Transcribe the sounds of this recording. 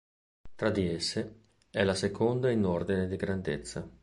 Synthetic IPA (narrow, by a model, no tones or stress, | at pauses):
t̪ɾad̪iesːe | ɛlasekʰond̪ainord̪ined̪iɡɾand̪ḛt̪sːa